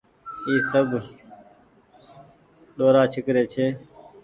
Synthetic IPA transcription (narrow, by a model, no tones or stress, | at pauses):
iːsəbʱ | ɗoːɾaːt͡ʃʰɪkɾeːt͡ʃʰeː